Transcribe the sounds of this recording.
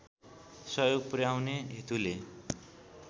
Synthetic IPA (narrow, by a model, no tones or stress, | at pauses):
sʌjoɡprjawneɦit̪ule